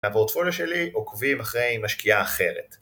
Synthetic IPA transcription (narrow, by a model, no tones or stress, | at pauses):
apo̞t̪foljoʃeliʔokvimaχʁejmaʃkiaːχe̞ʁet